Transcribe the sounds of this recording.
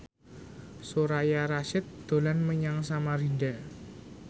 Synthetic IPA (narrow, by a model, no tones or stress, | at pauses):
soɾajaɾaʃɪt̪̚d̪̥o̤lanməɲaŋsamaɾida